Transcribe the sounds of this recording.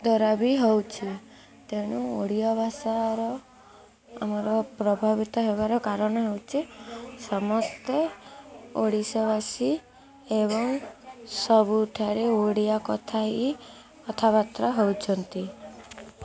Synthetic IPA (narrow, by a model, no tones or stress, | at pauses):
d̪ɔɾabiɦɔwt͡ʃʰi | t̪eɽ̃uoɽijɔbʱasaɾɔ | a̰mɔɾɔpɾɔbʱabit̪ɔɦeβaɾɔkaɾɔɽ̃ɔɦewt͡ʃʰisɔmɔst̪e | o̰ɽisɔβasi | eβɔŋsɔbuʈʰaɾeoɽijakɔt̪ʰaɦi | ɔt̪ʰabat̪ɾaɦowt͡ʃʰɔnt̪i